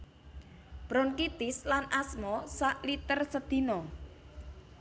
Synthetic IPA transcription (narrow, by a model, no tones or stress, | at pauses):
b̥ɾɔnkit̪ɪslanʔasmɔsaʔlit̪ərsəd̪̥i̤nɔ